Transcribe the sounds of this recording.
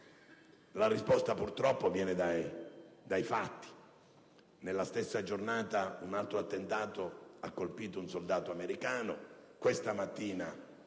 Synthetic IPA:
larispɔst̪apurt̪ɾɔpːovjɛːned̪ajd̪ajfat̪ːi̥ | nelːast̪esːad͡ʒornaːt̪aunalt̪ɾoat̪ːent̪aːt̪oakːolpiːt̪ounsold̪aːt̪oameɾikaːnokwest̪amat̪ːiːna

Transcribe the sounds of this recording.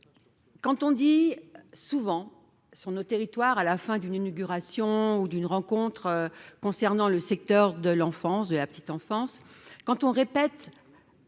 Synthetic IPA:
kɑ̃t̪ɔ̃d̪isuvɑ̃ | syʁnot̪eʁit̪waʁalafɛ̃d̪yninoɡʲyʁasjɔ̃ud̪ynʁɑ̃kɔ̃t̪χkɔ̃sɛʁnɑ̃ləsɛk̚t̪œʁd̪əlɑ̃fɑ̃sd̪əlapə̥t̪it̪ɑ̃fɑ̃skɑ̃t̪ɔ̃ʁepɛt̪

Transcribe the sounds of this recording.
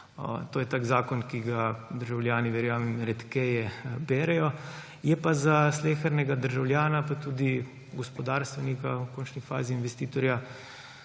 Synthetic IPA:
t̪oːjɛt̪aːkzaːkɔnkiɡad̪əɾʒawljaːniʋɛɾjaːmimɾɛt̪kɛjɛbɛːɾɛjɔ | jɛpazasleːxəɾnɛɡad̪əɾʒawlʲjaːnapat̪uːd̪i | ɡɔspɔd̪aːɾst̪ʋɛnikawkoːnt͡ʃnifa̰ːziːnʋɛst̪iːt̪ɔɾja

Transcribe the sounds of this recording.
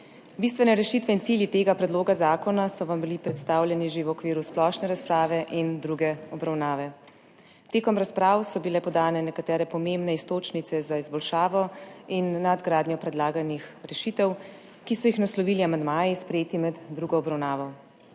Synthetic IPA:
bist̪ʋɛnɛɾɛʃit̪ʋɛint̪siːljit̪eːɡapɾɛd̪loːɡazaːkɔnasɔʋambilipɾɛt̪st̪aːwlʲjɛniʒewɔkʋiːɾusplɔːʃnɛɾaspɾaːʋɛʔind̪ɾuɡɛɔbɾawnaːʋɛ | t̪eːkɔmɾaspɾaːwsɔbilɛpɔd̪aːnɛnɛkat̪ɛːɾɛpɔmembnɛist̪oːt͡ʃnit̪sɛzaizbɔlʃaːʋɔinːad̪ɡɾaːd̪nɲjɔpɾɛd̪laːɡanixɾɛʃit̪ɛw | kisɔjixnaslɔʋiːliamand̪maːjispɾɛjeːt̪imɛd̪ːɾuːɡɔːbɾawnaːʋɔ

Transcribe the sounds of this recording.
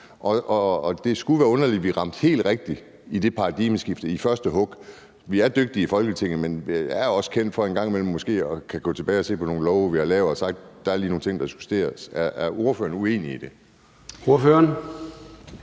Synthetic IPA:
ʔɒ̽ɒːd̥e̝sɡ̥uʋæːɐɔ̽nɐliʋiʁɑ̈m̰d̥he̝̰ːld̥ʁɛɡ̥̚d̥i | id̥e̝pʰɑ̈ːd̥ḭməsɡ̥ifd̥əifɶɐsd̥əɦɔ̽ɡ̥ | ʋiæɐd̥øɡ̥̚d̥iifɒ̽lɡ̥ət͡sʰe̝ŋ̰n̩menjæɐjɒ̽skʰen̰d̥fɒ̽e̝nɡ̥ɑ̈ŋ̰imel̰m̩ːɔ̽sɡ̥e̝̰ːɒ̽kʰæɡ̥ɔ̰ːt͡sʰe̝b̥ɛːɪɒ̽se̝̰ːpʰɒ̽no̝ːn̩lɒʊʋihɑ̈lɛːʊɒsɑ̈ɡ̥̚d̥d̥ɑæɐliːno̝ːŋn̩t͡sʰe̝ŋ̰d̥ɑ̈su̥sd̥e̝̰ːɐsæɐʔæɐo̝ɐfø̰ːɐn̩ue̝̰ːniid̥e̝ | oɐføɐn

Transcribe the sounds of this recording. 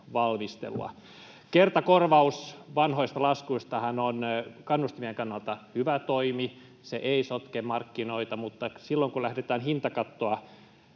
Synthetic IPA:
ʋɑlmist̪ḛlṵɑ̰ | kert̪ɑkorʋɑusʋɑnhoist̪ɑlɑskuist̪ɑhɑnonkɑnːust̪imieŋkɑnːɑlt̪ɑhyʋæt̪oimi | seʔeisot̪kemɑrkːinoit̪ɑmut̪ːɑsilːoŋkulæhdet̪æːnhint̪ɑkɑt̪ːoɑ

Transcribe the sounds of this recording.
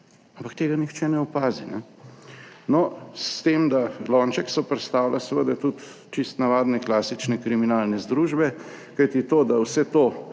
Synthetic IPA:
ampakt̪eːɡanixt͡ʃɛnɛɔpaːzinɛ̰ | nɔst̪emd̪alɔnt͡ʃɛksɔpɾɛt̪st̪aːwlʔasɛʋəd̪at̪ut̪ | t͡ʃist̪naʋaːd̪nɛklaːsit͡ʃnɛkɾiminaːlnɛzd̪ɾuːʒbɛ | kajt̪it̪oːd̪awsɛt̪oː

